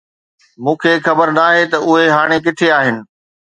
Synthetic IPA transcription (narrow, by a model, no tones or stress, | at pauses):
mũːkʰeːxɐbəɾnaːɦet̪ɐʔʊɦeɦaːɽ̃ek̬ɪt̪ʰeaːɦɪnɪ̆